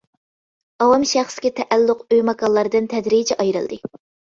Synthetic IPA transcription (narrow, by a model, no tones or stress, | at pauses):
ɑwɑmʃæχsɪ̥kʲɛt̪ʰɛʔælːʊqøjmɑkɑlˠːɑɾd̪ɨnt̪ʰɛd̪ɾid͡ʒɛʔɑjɾɨ̰lˠd̪ɨ